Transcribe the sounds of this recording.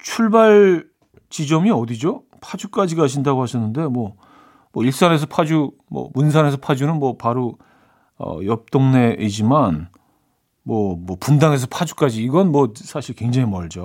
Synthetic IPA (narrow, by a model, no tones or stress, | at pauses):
t͡ɕʰuɭbaɭ | t͡ɕid͡ʑʌmiʌdid͡ʑo | pʰad͡ʑuk͈ad͡ʑiɡaɕʰindaɡohaɕʰʌnːɯnde̞mwʌ | mʌiɭs͈ane̞s̬ʰʌpʰad͡ʑu | mʌ̰munsʰane̞s̬ʰʌpʰad͡ʑunɯnmwʌpaɾo | ʌ̰jʌp̚t͈oŋne̞ʔid͡ʑiman | mwʌmwʌpundaŋe̞s̬ʰʌpʰad͡ʑuk͈ad͡ʑiːɡʌnmwʌsʰaɕʰiɭkwe̞ŋd͡ʑaŋimʌɭd͡ʑo